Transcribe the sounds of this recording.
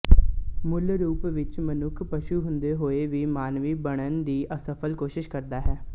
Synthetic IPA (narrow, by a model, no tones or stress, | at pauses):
mʊlɾuːpʋɪt͡ʃmənʊkʰpəʃuːɦʊ̃nd̪eːɦoːeːʋiːmaːnʋiːbəɽ̃ənd̪iːʔəsəpʰəlkoːʃɪʃkəɾd̪aːɦɛː